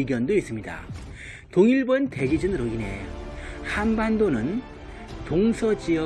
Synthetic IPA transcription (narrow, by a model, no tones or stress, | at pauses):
iɡjʌndois͈ɯmɲida̰ | toŋiɭbʌnte̞d͡ʑid͡ʑɯnɯɾoine̞ | hanbandonɯn | toŋsʰʌd͡ʑiʌ